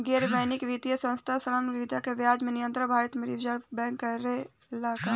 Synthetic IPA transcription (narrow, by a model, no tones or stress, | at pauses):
ɡeɾbəɪnikʋit̪ijəsə̃nst̪ʰasɐɾənʋɪʋd̪ʱakeʋjaːd͡ʒmẽnɪjə̃nt̪ɾəbʱaːɾət̪meɾiʋd͡ʒəɾbɛ̃ːŋkːɐɾe | laːka